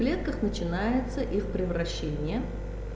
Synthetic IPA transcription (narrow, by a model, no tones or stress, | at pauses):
lʲe̞t̪̚kəxnət͡ɕɪnajɪt̪səʔixpɾʲɪvɾɐɕːenʲɪjə